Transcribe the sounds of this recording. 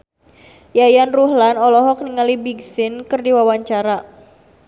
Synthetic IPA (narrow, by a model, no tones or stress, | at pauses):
jajanruɦlanɔlɔɦɔk̚niŋalibiɡsɪnkɨrdiwawaɲt͡ʃaɾa